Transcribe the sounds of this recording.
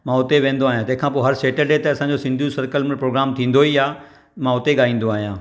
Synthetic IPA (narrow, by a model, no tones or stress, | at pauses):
mãʊt̪eʋẽːnd̪oaːɦijãt̪ɐ̃ɦɪ̃kʰãːpoːɦɐɾseːʈəɖet̪eɐsãːɲd͡ʑosɪ̃nd̪ʱjũsɐɾkəlmɪ̃pɾoːɡɾaːmt̪ʰĩːn̆d̪oiaː | mãʊt̪eɠaːĩːn̆d̪oaːɦijãː